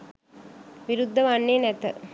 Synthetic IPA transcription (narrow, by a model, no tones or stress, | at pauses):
ʋiɾud̪ʱːəʋanːeːnɛt̪ə